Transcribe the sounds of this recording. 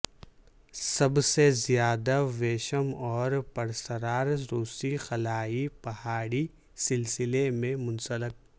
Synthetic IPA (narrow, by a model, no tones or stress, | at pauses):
sɐbsezijaːd̪aʋeːʃəmɔːɾpɐɾsəɾaːɾɾuːsixɐlaːipɐhaːɽi | sɪlsɪlemẽmʊ̃nsəlɪk̚